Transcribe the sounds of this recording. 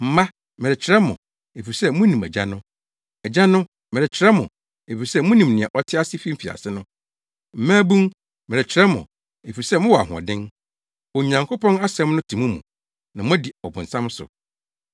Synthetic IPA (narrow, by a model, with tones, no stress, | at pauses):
m̩˨mã˦ | mɪ̃˨ɾɪ˨t͡ɕʰɪ˨ɾɛ˦mʊ̃˨ | e˨fi˨sɛ˦mʊ̃˦nĩ˨mɛ̰˨d͡ʑa̰˦nʊ̃˦ | ɛ˨d͡ʑã˦nʊ̃˦ | mɪ˨ɾɪ˨t͡ɕʰɪ˨˦ɾɛ˦mʊ̰̃˨ | e˨fi˨sɛ˦mʊ̃˦nĩ˨mnɪ̃˨ɛ˨ʔɔ˨tʰɪ˦a˦sɪ˦fi˦m̩˦fi˨a̰˨sɪ˦nʊ̃˦ | m̩˨mæ̃ː˦bũ˦ŋ | mɪ̃˨ɾɪ˨t͡ɕʰɪ˨ɾɛ˦mʊ̰̃˨ | e˨fi˨sɛ˦mʊ̃˦wɔ˨a̰˨ɦʊ̃˨ɔ̰̃˨dɪ̃˦n | ɔ˨ɲã˨ŋkʰo˦pʰɔ̃˦na˦sɛ̃˦mnʊ̃˦tʰĩ˨mũ˦mũ˨ | nã˨mʊ̃˦di˨ɔ˨bʊ̃˨n̩˨sã˦m˦sʊ̰˨